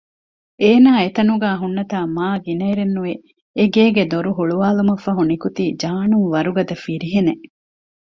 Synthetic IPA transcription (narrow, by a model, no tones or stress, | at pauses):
eːnaːet̪ɐnuɡæːɦunːɐt̪aːmaːɡinɐiɾenːuʋe | eɡeːɡed̪oɾuɦuɭuʋaːlumɐfːɐɦunikut̪iːd͡ʒaːnuŋʋɐɾuɡɐd̪ɐfiɾiɦene